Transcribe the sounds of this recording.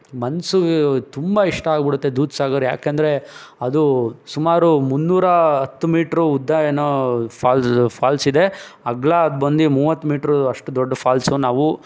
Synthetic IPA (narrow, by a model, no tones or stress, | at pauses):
mɐnsuɡet̪umbɐiʂʈɐaːɡbiɽut̪ːe̞d̪uːt̪saːɡɐɾja̰ːkeːnd̪ɐɾe̞ɐd̪usumaːɾumunːuːɾɐɦɐt̪ːumiːʈɾuːd̪ːaːjɐnɐpʰaːlspʰaːlsid̪e̞ɐɡɭaɐd̪bɐnd̪imuːʋɐt̪ːumiːʈɾuɐʂʈud̪ɔɖːɐpʰaːlsunaːʋu